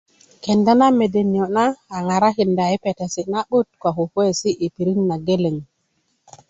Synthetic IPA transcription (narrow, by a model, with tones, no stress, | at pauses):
ke˨nda˦na˦me˨de˨ni˨o˨naː˦˨ŋa˨ɾa˦ki˨nda˨i˦pe˨te˨si˨na˦ɓu˦t̚kwa˨ɦo˨hwe˦˨si˦ʔi˨pi˨ɾi˦ŋna˨ɡe˦le˨ŋ